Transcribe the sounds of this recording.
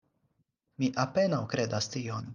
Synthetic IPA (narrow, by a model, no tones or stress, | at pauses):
miʔapenawkɾed̪ast̪ion